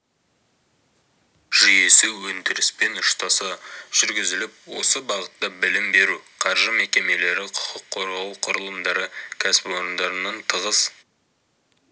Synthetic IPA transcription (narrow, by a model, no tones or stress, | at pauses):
ʒ̥ʏje̞sɪwɵnd̪ɪɾɪspe̞nʊʃt̪ɑsɑʒ̥ʏɾɡʲɪzɪlɪp̚wo̞̰səbɑʁət̪ːɑbɪlɪmbe̞ɾuqʰɑɾʒəme̞kʲe̞me̞le̞ɾɪqʰʊ̥qʰəqʰːo̞ɾʁɑwqʰʊɾəlˠəmd̪ɑɾəkʲʰæsɪ̥pwo̞ɾənd̪ɑɾənɑnt̪ʰəʁəs